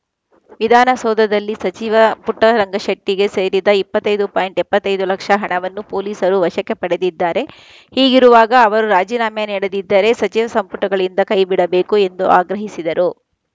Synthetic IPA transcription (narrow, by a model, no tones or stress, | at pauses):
ʋid̪ʱaːnɐsɔːd̪ʱɐd̪ɐlːisɐt͡ʃiʋɐpuʈːɐɾɐŋɡʱɐʃɐʈːiɡe̞se̞ːɾid̪ɐipːɐt̪ːɐjd̪upaːjɳʈɛpːɐt̪ːɐjd̪ulɐkʂɐɦɐɳɐʋɐnːupoːliːsɐɾuʋɐʃɐkːɛpɐɽe̞d̪id̪ːaːɾe̞ | hiːɡiɾuʋaːɡɐːʋɐɾuɾaːd͡ʒiːnaːmjɐniːɽed̪id̪ːɐɾe̞sɐt͡ʃiʋɐsɐmpuʈːɐɡɐɭind̪ɐkɐjbiɽɐbe̞ːkue̞nd̪uʔaːɡɾɐɦisid̪ɐɾu